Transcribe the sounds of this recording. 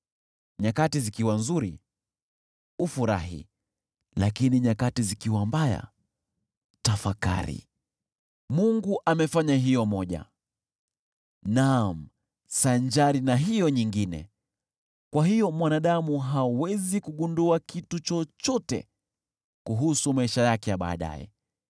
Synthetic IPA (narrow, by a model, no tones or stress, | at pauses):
ɲakatizikiwanzuɾḭ | ufuɾa̰ɦḭ | lakiniɲakatizikiwambaja̰ | tafaka̰ɾḭ | muŋɡuʔamɛfaɲaɦijɔmɔʄa̰ | nam̩ | saɲd͡ʒaɾinaɦijɔɲiŋɡinɛ̰ | kwaɦijɔmwanaɗamuɦawɛzikuɠunduakitut͡ʃɔt͡ʃɔtɛ̰ | kuɦusumaiʃajakɛjaɓa̰ːɗa̰jɛ̰